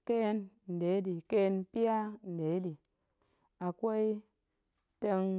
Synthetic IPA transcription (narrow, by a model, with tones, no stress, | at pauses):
ke˦nn̩˨de˨˦di˨ke˦˧npi˦a˦n̩˨de˨˦di˨ | a˨kʷo˦i˦ | te˧ŋ